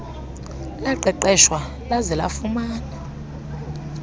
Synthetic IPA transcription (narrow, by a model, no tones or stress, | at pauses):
laǃɛǃɛʃwa | lazɛla̰fumaːna